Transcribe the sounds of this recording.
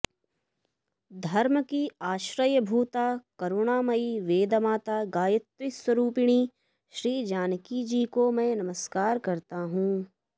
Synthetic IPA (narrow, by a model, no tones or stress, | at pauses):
d̪ʱɐɾməkiaːʃɾəjəbʱuːt̪aːkɐɾʊɽ̃aːmɐiʋeːd̪maːt̪aːɡaːjət̪ɾɪswəɾuːpɪɽ̃iː | ʃɾiːd͡ʒaːnkid͡ʒiːkomɛ̃ːnɐməskaːɾkɐɾt̪aɦũː